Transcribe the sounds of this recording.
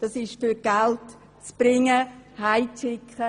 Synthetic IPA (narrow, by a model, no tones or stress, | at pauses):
d̥ɑsɪʃfyɾɡ̥alt | t͡sb̥ɾɪŋəhaɪt͡sɪkʰχə